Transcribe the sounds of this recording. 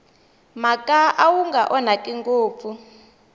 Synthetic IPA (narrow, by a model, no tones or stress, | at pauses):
makʼaʔawuŋɡaʔɔnakʼiŋɡoːp̪fu